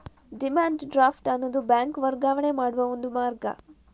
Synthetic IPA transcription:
ɖimaːɳɖɖɾaːfʈɐnːod̪ubaːŋkʋɐɾɡaːʋɐɳemaːɽuʋɐond̪umaːɾɡɐ̰

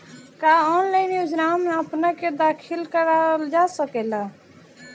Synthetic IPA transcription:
kaːɔːnləniʊd͡ʒɾaːmːẽəpnaked̪aːkʰɪlkəɾald͡ʒaːsəkeːlaː

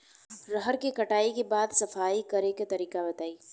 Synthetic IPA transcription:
ɾəɦəɾkekɐʈaːikebaːd̪sɐfaːikɐɾeket̪ɐɾiːkabɐt̪aːiː

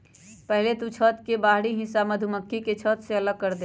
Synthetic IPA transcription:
pəɦlet̪ut͡ʃʰət̪kebaːɦɽiɦɪsaməd̪ʱuməkːiket͡ʃʰət̪seələɡ̚kəɾd̪e

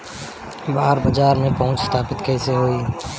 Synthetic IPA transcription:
baːɾbəd͡ʒaːɾmẽpɐɦʊ̃t͡ʃst̪ʰaːpɪt̪kɛːseɦoːiː

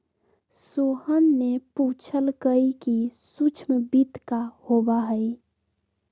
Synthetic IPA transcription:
sohənːeput͡ʃʰəlkəikisut͡ʃʰmbit̪kahobaɦəi

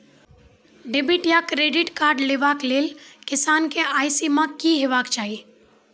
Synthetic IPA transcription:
ɖebiʈjakɾeːɖɪʈkaːɾɖleːʋaːkleːlkɪsaːnkeʔaːɪsimãkiɦeːʋaːkt͡ʃaːɦi

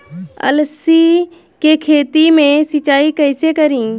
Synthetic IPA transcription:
ə̰lsi | kekʰeːt̪imẽsɪt͡ʃaːikəɪsekəɾĩ

